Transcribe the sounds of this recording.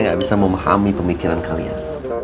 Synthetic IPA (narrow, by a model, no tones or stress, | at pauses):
ŋɡaʔbisaməmaha̰mipəmikiɾankalḭa̰n